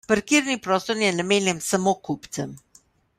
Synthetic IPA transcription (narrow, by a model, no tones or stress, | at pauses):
pɐɾkiːɾnipɾɔːst̪ɔɾjɛnameːnjɛmsɐmokupt̪sɛm